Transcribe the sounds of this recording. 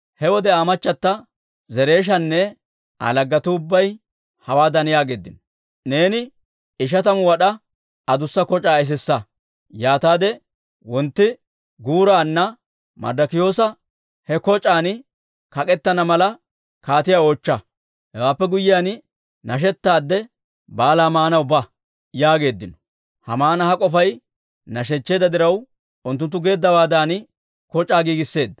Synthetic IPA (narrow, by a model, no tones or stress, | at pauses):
hɛwɔd̪ɛaːmɐt͡ʃːɐt̪ːɐ | zɛɾe̞ːʃ̬ɐnːɛ | ʔa̰lɐɡːɐt̪ʊʊbːɐj | hɐwaːd̪ɐnɪjaːɡḛːd̪ːɪ̰n | ne̞ːnɪ | ɪʃ̬ɐt̪ɐmʊwɐɗɐ | ɐd̪ʊsːɐkɔt͡ʃʼaːɛs̬ɛsːɐ | jaːt̪aːd̪ɛ | wɔnt̪ːɪ | ɡuːɾaːnːɐ | mɐ̰d̪ɐkɪjo̞ːsɐ | hɛkɔt͡ʃʼːaːn | kɐkʼɛt̪ːɐnɐmɐlɐ | kaːt̪ɪjaːoːt͡ʃːɐ | hɛwaːpːɛɡʊjːɪjaːn | nɐʃ̬ɛt̪ːaːd̪ːɛ | baːlaːmaːnɐwʊbɐ | jaːɡe̞ːd̪ːɪnɔ̥ | hɐmaːnɐhɐkʼɔfɐj | nɐʃ̬ɛt͡ʃːe̞ːd̪ɐd̪ɪɾɐw | ʊnt̪ːʊnt̪ːʊɡe̞ːd̪ːɐwaːd̪aːn | kɔt͡ʃʼːaːɡiːɡɪsːe̞ːd̪ːɐ̥